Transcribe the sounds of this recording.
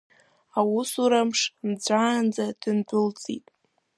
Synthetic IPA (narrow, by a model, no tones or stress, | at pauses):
awʊsuɾamʂmd͡ʒʷaːnd͡zad̥ɨntʷʼʊlt͡sʼḭtʼ